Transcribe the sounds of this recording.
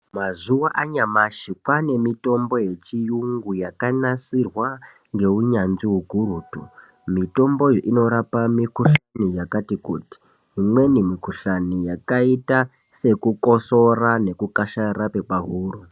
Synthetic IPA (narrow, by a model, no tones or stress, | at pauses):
mazuwaʔaɲamaʃikwane̞mito̞mbo̞je̞t͡ʃijuŋɡujakanasirwa | ŋɡe̞uɲanʐiɦwuɡʱuɾuːtu | mito̞mbo̞joʔino̞ɾapamikuɬanijakatikuːti̥ | ɦimwe̞nimikuɬanijakaita | se̞kuko̞so̞rane̞kukaʃaɾape̞paɦuːru